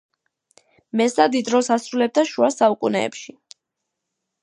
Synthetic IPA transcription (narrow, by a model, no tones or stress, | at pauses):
mɛsad̪id̪ɾɔsasɾulɛb̚d̪aʃuasaukʼunɛ̰ːpʃi